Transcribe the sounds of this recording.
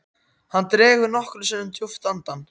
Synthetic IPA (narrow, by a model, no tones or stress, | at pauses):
hanːt̪ɾɛːɣʏɾnɔhklʏsɪːnʏmt̪ʰjuft̪ant̪an